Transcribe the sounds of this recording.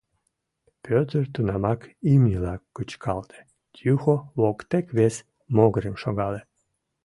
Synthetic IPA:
pøt̪ərt̪unɑmɑkimilɑkːət͡ɕkʰɑlt̪ʰe̥ | t̪ʲjuxoβokt̪ekβes | moɣɾemʃoɣɑle

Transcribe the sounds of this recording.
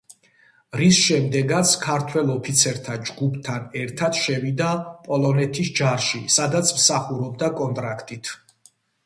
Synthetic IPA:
ɾisʃɛmd̪ɛɡat̪sʰkʰaɾt̪ʰwɛlˠɔpʰit̪sʰɛɾt̪ʰad͡ʒɡupʰt̪ʰanɛɾt̪ʰat̪ʃɛvid̪apʼɔlˠɔnɛt̪ʰisd͡ʒaɾʃisad̪at̪sʰmsaχuɾɔb̚d̪akʼɔnt̪ʼɾakʰt̪ʼit̪ʰ

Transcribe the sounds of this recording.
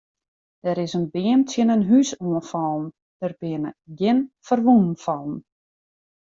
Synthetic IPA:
d̥ɛɾɪsənbɪəmtʰjənənɦysuənfɔlˠn̩ | d̥ərbɪənəɡɪnfərʋunn̩fɔlˠn̩

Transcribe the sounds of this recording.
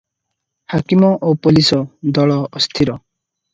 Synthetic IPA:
hakimɔʔopulisɔd̪ɔɭɔːst̪ʰiɾɔ

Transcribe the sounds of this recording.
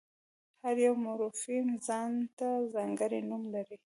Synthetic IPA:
haɾjawmaɾufimzɑnt̪azɑŋɡəɾinumlaɾi

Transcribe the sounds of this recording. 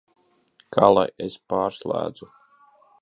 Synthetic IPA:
kʰaːlˠa̰jespaːɾslˠæ̰ːd̪zu

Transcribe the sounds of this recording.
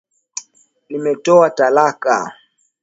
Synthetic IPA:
nimɛtɔatalaka̰

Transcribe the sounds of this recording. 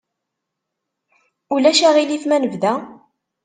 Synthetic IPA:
ulæʃæʁiliθmænəvðæ

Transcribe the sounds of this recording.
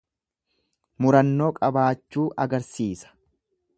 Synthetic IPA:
mʊɾɐnːo̞ːkʼɐbaːt͡ʃːuːʔɐɡɐɾsiːsɐ̥

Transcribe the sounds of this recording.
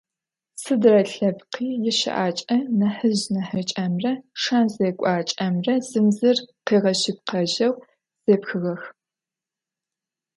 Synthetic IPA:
sɨdrɐɬɐbqiːjɪʃɪ̰ʔaːt͡ʃʼɐnɐħɨʑnɐħɨt͡ʃʼɐmrɐʂaːnzeːkʷʼɑːt͡ʃʼɐmrɐz̥ɨmzɨrqeːʁɐɕɪp̚qɐʒɐw | z̥eːpxɨɣɐx

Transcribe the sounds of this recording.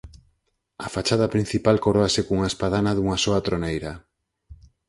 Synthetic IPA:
ɐfat͡ʃað̞ɐpɾin̟θipalkoɾoasekoŋaespaðanaðuŋasoat̪ɾonejɾɐ

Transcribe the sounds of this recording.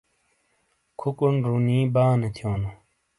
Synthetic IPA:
kʰukunɾuniːbaːnet̪ʰjoːnu

